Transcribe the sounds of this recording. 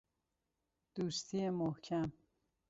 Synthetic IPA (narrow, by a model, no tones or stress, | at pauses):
d̪̥uːst̪ʰiːemohcʰæm